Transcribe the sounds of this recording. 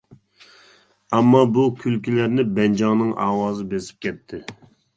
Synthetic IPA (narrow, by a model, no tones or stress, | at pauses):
ɑmːɑbukʲʰylkʲilæɾnɪbɛnd͡ʒɑŋnɨŋɑ̰ːwɑːzɨbesi̥p̚kʲʰɛt̪ʰːɪ